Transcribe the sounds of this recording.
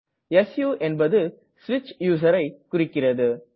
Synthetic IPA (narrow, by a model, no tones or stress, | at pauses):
ɛsjuːʔɛnbɐðɯ | sʋɪt͡ʃjuːs̬ɐɾɐɪkʊrɪkːɪrɐðɯ